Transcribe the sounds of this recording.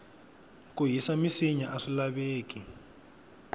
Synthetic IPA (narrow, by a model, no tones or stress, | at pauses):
k̬ʼuɦisamiseɲaʔaɬilaβeːk̬ʼi